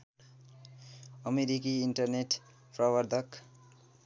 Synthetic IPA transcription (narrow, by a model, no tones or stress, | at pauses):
ʌmeɾikiːɳʈʌrneʈ | prʌwʌɾd̪ʱʌk